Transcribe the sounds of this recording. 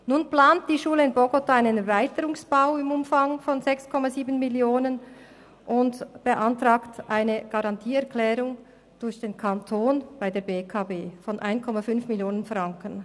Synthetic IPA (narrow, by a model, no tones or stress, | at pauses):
nuːnpl̥aːnt̚d̥iːʃuːləɪnbɔɡɔtaːaɪnənɛvaɪtəɾʊŋsb̥aʊɪmʊmfaŋfɔnzɛkskʰɔmaziːbn̩mɪljoːnən | ʔʊntb̥əʔɑntʁaːktʔaɪnəɡ̥ɑʁɑntʰiːɛɐklɛːɾʊŋ | d̥ʊɾçd̥eːnkʰantʰoːnb̥aɪdeːɐbeːkʰaːbeːfɔnʔa̰ɪnkʰɔmafʏnfmɪljoːnənfʁɑŋkən̩